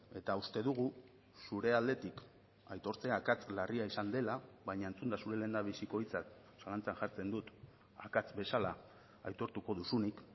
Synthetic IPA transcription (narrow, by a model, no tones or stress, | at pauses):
e̞t̪aust̪e̞ðuɣ̞u | suɾe̞ald̪e̞t̪ik | ajt̪o̞ɾt͡se̞akat͡slariaisand̪e̞laβajɲaent͡sund̪asuɾe̞le̞nd̪aβ̞isiko̞jt͡sat̪̚ | salant͡saŋʝaɾt͡se̞nd̪ut̪ | a̰kat͡sbe̞sala̰ | a̰jt̪o̞ɾt̪uko̞ðusunik